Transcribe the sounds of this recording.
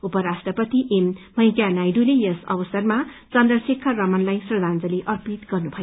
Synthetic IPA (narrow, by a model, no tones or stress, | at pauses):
upʌɾasʈrʌpʌt̪iʔemː | ʌjkjanajɖulejʌsʌ̰bʌsʌrmat͡sʌnd̪rʌsikʰːʌrʌmʌnlajsrʌd̪ʱand͡zʌliʔʌrpit̪ɡ̥ʌrnubʱʌjo